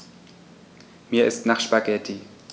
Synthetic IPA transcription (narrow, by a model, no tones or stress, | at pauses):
miːɐʔɪstnaχʃpaɡɛtʰi